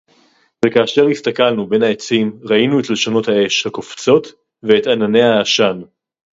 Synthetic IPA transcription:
vekaːʃe̞ʁhist̪akalnube̞nhaet͡simʁainue̞tle̞ʃano̞thae̞ʃhakoft͡so̞t | veet̪anane̞jhaaʃan

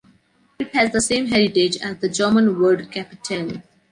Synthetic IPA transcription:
ɪʈhæzd̪əsẽːmɦɛɾɪʈed͡ʒæzd̪əd͡ʒəːmə̃nʋəɾɖkæpɪʈʰə̃l

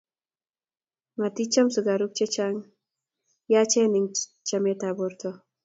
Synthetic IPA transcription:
mat̪it͡ʃɐmsuɡaɾuk̚t͡ʃet͡ʃaŋ | jat͡ʃeniŋt͡ʃɐmet̪aboɾt̪ʰo

